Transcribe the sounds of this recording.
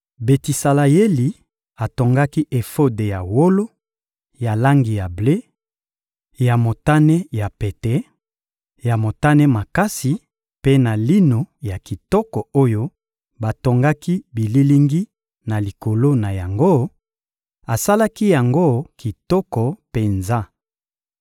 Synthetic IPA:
be˨ti˨sa˨la˨je˦li˨ | a˨to˨ŋɡa˦ki˦ʔe˨fo˦de˨ja˨wo˦lo˦ | ja˨la˦ŋɡi˨ja˨ble˦ | ja˨mo˨ta˦nɛ˦ja˨pe˨tɛ˦ | ja˨mo˨ta˦nɛ˦ma˨ka˦si˨ | pe˦na˨li˦no˨ja˨ki˨tɔ˦kɔ˨o˦jo˦ | ba˨to˨ŋɡa˦ki˦bi˨li˦li˦ŋɡi˦ | na˨li˨ko˨lo˦na˨ja˨ŋɡo˦ | a˨sa˦la˦ki˦ja˨ŋɡo˦ki˨tɔ˦kɔ˨pe˨nza˦

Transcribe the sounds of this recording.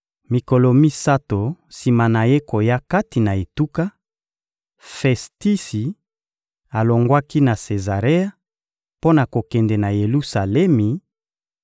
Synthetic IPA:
mi˨ko˨lo˨mi˦sa˦to˨si˨ma˨na˨je˦ko˨ja˦ka˦ti˨na˨e˨tu˦ka˦ | fɛ˨sti˦si˨ | a˨lo˨ŋɡwa˦ki˦na˨se˨za˨ʁe˦a˦ | po˦na˨ko˨kɛ˨ndɛ˨na˨je˨lu˦sa˨lɛ˦mi˨

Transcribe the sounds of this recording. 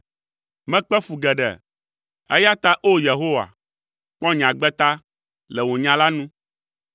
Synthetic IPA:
mɛ̃˦k͡pɛ˦fu˨ɡɛ˨ɖɛ̰˨ | ɛ˦ja˦t̪a˦ʔo˦je˨ɦo˦wa̰˨ | k͡pɔ̃˦ɲ˨ã˨ɡ͡bɛ˦t̪a˦ | lɛ˨wo˨ɲã˨la˦nũ˦

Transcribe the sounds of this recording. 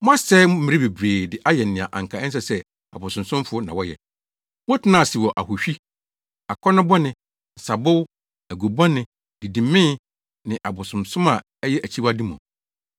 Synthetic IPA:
mʊ̃˦a˦sɛ˦m˦m̩˦mɪ̃˦ɾɪ˦be˨bɾeː˨dɪ˦ʔa˦jɛ˨n˨nɪ̃˨a̰˨ʔã̰˨ŋ̩˨kʰa˨ɛ̃˦n˦s̬ɛ˦sɛ˦ | a̰˨bʊ˨sʊ̃˨msʊ̃˦mfʊ˨˦ɔ˦nã˨wɔ˦jɛ̰˨ | wʊ̃˦tʰɪ˨˦nã˦˨si˨wɔ˨ʔa˨ɦʊ˨ɕᶣi˦ | a˨kʰɔ˦nʊ̃˦bɔ˦nɪ̃˨ | n̩˨sa˨bʊ˦w | æ˨ɡo˨bɔ̃˦nɪ̃˨ | di˨dĩ˨mɪ̃˦ | nɪ̃˨ʔa˨bʊ˨sʊ̃˨msʊ̃˦ma˨˦jɛ˦ʔæ˨t͡ɕʰi˦wa˦di˦mʊ̰̃˨

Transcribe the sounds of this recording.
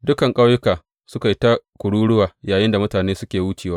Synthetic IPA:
dʊ˦kɐ˨ŋkʼa˦wjʊ˦kaː˨ | sʊ˦ka˨i˦ta˦kʷʊ˨ɽuː˦ɽʊ˦waː˨jaː˨jɪ˦nda˨mʊ˦taː˨neː˦sʊ˦kʲeː˨wuː˦t͡ʃeː˨waː˦

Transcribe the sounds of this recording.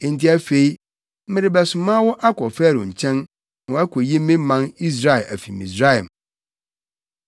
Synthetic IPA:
ɪ̃˨n̩˦tɪ˦æ˦fe˦i˦ | mɪ̃˦ɾɪ˨˦bɛ˨sʊ˨mã˦wɔ˦ʔa˦kʰɔ˨fæ˦˨ɾõ̰˨ɲ̩˨t͡ɕʰɛ̃˦n˨ | ɔ˨˦æ˦kʰɔ˨ji˦mɪ̃˦mã˦ni˦s̬ɾa˦ɛ˨lʔæ˨fi˨mḭ̃˨sɾa˦˨ɛ˨m

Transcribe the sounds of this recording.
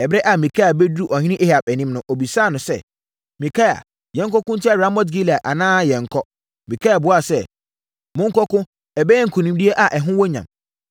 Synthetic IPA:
ɛ˨bɛ˦ʔa˨mĩ˨kʰa˦a˨bɛ˦du˦ʔɔ˨hɪ̃˦ɪ̃˦ʔe˦ha˨pɛ˨nĩ˦mnʊ̃˦ʔo˨bi˨saː˦˨nʊ̃˨sɛ̰˦ | mĩ˨kʰa˦a̰˨ | jɛ̃˨˦ŋ˦kɔ˦kʊ̃˦n̩˦tʰɪ˦a˦ɾã˦mɔ˦t̬ɡi˦li˨a˨ʔa˨nãː˦jɛ̃˨ŋ̩˨kʰɔ˦ | mĩ˨kʰa˦a˨bʊ˦a˨sɛ˦˨ | mʊ̃˦ŋ̩˦kɔ˦kʊ̃˦ | ɛ˨bɛ˦ɛ˦ŋ̩˨kʰu˨nĩ˦mdi˦e˦ʔa˨ʔɛ˨ɦʊ̃˦wɔ˦ɲã̰˨m

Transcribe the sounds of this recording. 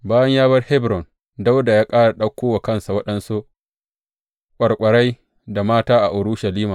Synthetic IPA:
baː˦jɐ˦ɲjaː˦bɐ˦rhɛ˦bɾɔ˨n | da˦wda˨jaː˦kʼaː˦ɽa˨ɗɐ˦kʷːoː˦wa˨kɐ˦nsa˨wɐ˦ɗɐ˦nsu˦ | kʷʼɐ˨ɽkʷʼɐ˨ɽa˦j | da˨maː˦taː˦ʔa˨ʔʊ˨ɽʊ˦ʃa˨liː˦maː˨

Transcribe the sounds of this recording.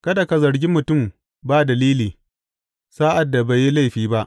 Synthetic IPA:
kɐ˦da˨ka˨zɐ˨ɾɡʲi˦mʊ˨tʊ˦˨m | baː˦dɐ˨liː˦liː˨ | saː˦ʔa˨dːa˨ba˨ji˦la˦jɸiː˦ba˦ʔ

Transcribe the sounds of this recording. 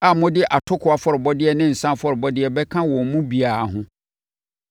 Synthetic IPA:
a˨mʊ̃˦dɪ˦ʔa˨tʰʊ˦kʰʊ˨a˨fɔ˨ɾɪ˨bɔ˦dɪ˦ɛ˨nɪ̃˦n̩˨sã˦fɔ˦ɾɪ˨bɔ˦dɪ˦ɛ˨bɛ˦kʰã˦wɔ̃˨mũ˦bi˨a˨a˨ɦʊ̃˦

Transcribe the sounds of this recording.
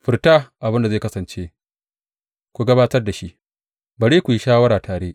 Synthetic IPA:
ɸɪ˨rtaː˦ʔa˨bɪ˦nda˨zeː˦˨kɐ˦sɐ˨nt͡ʃeː˦ | kʷu˨ɡɐ˦baː˦tɐ˦rda˨ʃi˦ʔ | bɐ˨ɽeː˦kʷu˨ji˦ʃaː˦wɐ˦ɾaː˨taː˨ɽeː˦ʔ

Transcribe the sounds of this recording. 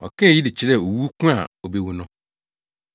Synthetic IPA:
ɔ̰˨kʰɛ˦˨ji˦di˨t͡ɕʰɪ˨ɾɛ˦˨o˨wu˦kʰũ˦a˨o˨be˦wu˨nʊ̃˦

